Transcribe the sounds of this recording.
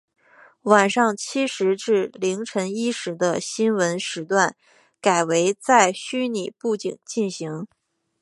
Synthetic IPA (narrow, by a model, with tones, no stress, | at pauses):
wa˨˩nʂɑ˥˩ŋt͡ɕʰi˥ʂɻ̩˧˥ʈ͡ʂɻ̩˥˩li˧˥ŋʈ͡ʂʰə˧˥ŋi˥ʂɻ̩˧˥d̪ə˧ɕi˥nwə˧˥nʂɻ̩˧˥t̪wa˥˩n | ka˨˩ɪwe˧˥ɪt͡sa˥˩ɪɕy˥ni˨˩pu˥˧t͡ɕḭ˨˩ŋt͡ɕi˥˩nɕi˧˥ŋ